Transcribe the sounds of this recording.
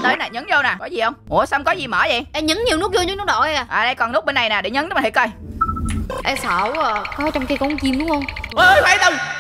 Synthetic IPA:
t̪əː˨˦jna˨˩ɲə˨˦nzo˧wnaː˨˩kɔ˨˦zi˨˩hə˧wŋ͡mʔu˧˩əsa˧wŋ͡mkɔ˨˦zi˨˩mə̰ː˧˩zə˨˩jʔɛ˧ɲə˨˦nɲi˨˩ənɨ˦˥k̚zo˧jɲu˨˥nɔ˨˦˥ɗo̰˧˨˩ja˨˩ʔaː˨˩ɗə˧jkɔ˨˩nɨ˦˥k̚ɓe˧nːa˨˩jnaː˨˩ɗḛ˧˩˦ɲə˨˦nɨ˨˦mʰ˨˩i˨˦k̚ə˧j | ʔɛ˧˩sa˧˩wə˨˩kɔ˨˦t͡ɕɔ˧wŋ͡mki˧˦kɔ˨˦t͡ɕi˧mɗʊ˨˦ŋ͡mə˧wŋ͡mʔə˨˧ʔə˧jfaː˧˦jt̪ə˧wŋ͡m

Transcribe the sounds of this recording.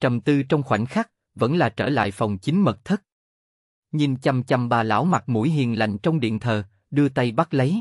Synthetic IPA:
t͡ɕə˨˩mt̪ɨ˧t͡ɕɔ˧wŋ͡mxwa˧˩ŋ̟xa˦˥k̚ | və̰˧˥nlaː˨˩t͡ɕəː˧˩la̰ː˧˨jfɔ˨˩wŋ͡mt͡ɕï˨˦ŋ̟mə˨˩t̚t̪ʰə˦˥t̚ | ɲɨ˧nt͡ɕa˨˩mt͡ɕa˨˩mɓaː˨˩la̰ː˧˥wma˨˩t̚mṵ˧˩jɦḭ˨˩ənla̰˧˨jŋ̟t͡ɕɔ˧wŋ͡mɗḭ˧˨ənt̪ʰəː˨˩ | ɗɨ˧ət̪a˧jɓa˦˥k̚lə˨˦j

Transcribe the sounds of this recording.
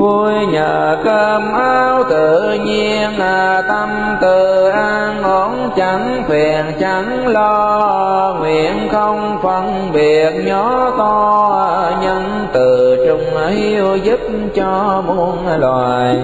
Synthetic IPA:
vu˧jɲəː˨˩˨kəː˧mʔaː˧wt̪ɨ˧˨ɲi˧əənlaː˨˩t̪a˧m | t̪ɨ˨˩ʔaː˧nʔo˨˦nt͡ɕa˨˦ŋ | fɛ˨˩ənt͡ɕa˨˦ŋlɔ˧˩ | ŋwḭ˧˨ənxə˧wŋ͡mfə˨˩n | ɓi˨˩ət̚ɲɔ˨˦t̪ɔ˧ʔa˧˩ɲə˧n | t̪ɨ˨˩t͡ɕʊ˧˩ŋ͡mhi˧əwzɨ˦˥p̚ | t͡ɕɔ˧mu˧nlwaː˨˩˨j

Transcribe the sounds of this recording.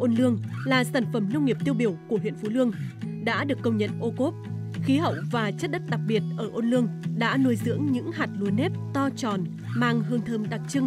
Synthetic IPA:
ʔo˧nlɨ˧əŋlaː˨˩saː˧˩nfə˧˩mnə˧wŋ͡mŋi˨˩əp̚t̪i˧əwɓi˧˩əwku˧˩əhwḭ˧˨ənfu˨˦lɨ˧əŋɗa̰ː˧˥ɗɨ˨˩əkːə˧wŋ͡mɲə̰˧˨nʔo˧ko˦˥p̚ | xi˨˦ɦə̰˧˨wvaː˨˩t͡ɕə˦˥t̚ɗə˦˥t̚ɗa˨˩k̚ɓi˨˩ət̚ʔəː˧˩ʔo˧nlɨ˧əŋɗa̰ː˧˥nu˨˦jzɨ̰˧˥əŋɲɨ̰˧˥ŋhaː˨˩t̚lu˨˦jnɛ˦˥p̚t̪ɔ˧t͡ɕɔ˨˩n | maː˨˩ŋhɨ˨˩əŋt̪ʰəː˨˩mɗaː˨˩k̚t͡ɕɨ˧ŋ

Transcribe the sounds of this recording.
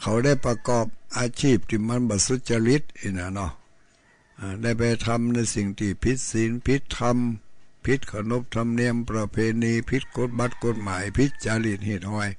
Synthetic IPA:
kʰa˨˦wda˥˩jpa˧kɔː˨˩p̚ʔaː˧t͡ɕʰiː˥˩p̚t̪ʰiː˧˩ma˧˥˨nbɔː˨su˧˥t̪̚t͡ɕa˧li˦˥t̪̚i˨˧˩na˧˨nɔ˧˩ | ʔaː˨˩da˧˩jpa˧˩jt̪ʰa˧mna˧˥jsi˨˩ŋt̪ʰiː˧˩pʰi˧˦˥t̪̚siː˨˦npʰi˧˥t̪ʰːa˧mpʰi˧˥t̪̚kʰa˧no˧˦p̚t̪ʰa˧mni˧˨əmpɾa˧pʰeː˧˨niː˧˨pʰi˧˥t̪̚ko˧˦t̪̚ba˧˦˥t̪̚ko˧˦t̪̚maː˨˦jpʰi˧˥t̪̚t͡ɕaː˧li˧˩t̪̚heː˨˩t̪̚hɔ˧˩˨j

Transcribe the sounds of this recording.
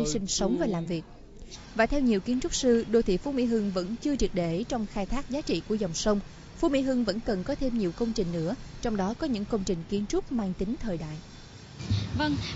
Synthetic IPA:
sï˧ŋ̟sə˨˦wŋ͡mva˨˩laː˨˩mvi˨˩ək̚ | vaː˨˩t̪ʰɛ˧wɲi˨˩əwki˨˦ənt͡ɕʊ˦˥k͡p̚sɨ˧ɗo˧˩jt̪ʰi˨˩fṵ˧˥mḭ˧˥ɦɨ˧ŋvə̰˧˥nt͡ɕɨ˧ət͡ɕɨ˨˩ək̚ɗe˧˩t͡ɕɔ˧wŋ͡mxaː˧jt̪ʰaː˦˥k̚zaː˨˦t͡ɕḭ˧˨ku˧˩əza˨˩wŋ͡msə˧wŋ͡m | fṵ˧˥mḭ˧˥ɦɨ˧ŋvə̰˧˥nkə˨˩nkɔ˨˦t̪ʰe˧mɲi˨˩əwkə˧wŋ͡mt͡ɕï˨˩ŋ̟nɨ̰˧˥ət͡ɕɔ˧wŋ͡mɗɔ˨˦kɔ˨˦ɲɨ̰˧˥ŋkə˧wŋ͡mt͡ɕï˨˩ŋ̟ki˨˦ənt͡ɕʊ˦˥k͡p̚maː˧ŋt̪ï˨˦ŋ̟t̪ʰəː˨˩jɗa̰ː˧˨j | və˧ŋ

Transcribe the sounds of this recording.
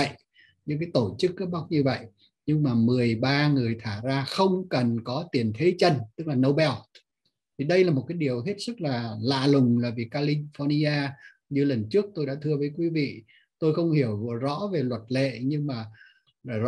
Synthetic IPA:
ə̰˧˨jʔ | ɲɨ̰˧ŋkaː˨˦jt̪o˧˩t͡ɕɨ˦˥kːəː˦˥ɓa˦˥wk͡p̚ɲɨ˧və̰˧˨jʔ | ɲɨ˧ŋmaː˨˩mɨ˨˩əjɓaː˧ŋɨ˨˩əjt̪ʰaː˧˩zaː˧xə˧wŋ͡mkə˨˩nkɔ˨˦t̪i˨˩ənt̪ʰe˨˦t͡ɕə˧nt̪ɨ˦˥k̚laː˨˩nə˧wɓɛ˧w | t̪ʰi˨˩ɗə˧jlaː˨˩mo˨˩t̚kaː˨˦jɗi˨˩əwɦe˦˥t̚sɨ˦˥k̚laː˨˩la̰ː˧˨lʊ˨˩ŋ͡mlaː˨˩vi˨˩kaː˧li˧fɔ˧ni˧ʔaː˧ | ɲɨ˧lə˨˩nt͡ɕɨ˦˥ək̚t̪o˧jɗa̰ː˧˥t̪ʰɨ˧əvəː˨˦jkwi˨˦vḭ˧˨ | t̪o˧jxə˧wŋ͡mhi˧˩əwzɔ̰˧˥ve˨˩lwə˨˩t̚lḛ˧˨ɲɨ˧ŋmaː˨˩˨ | z

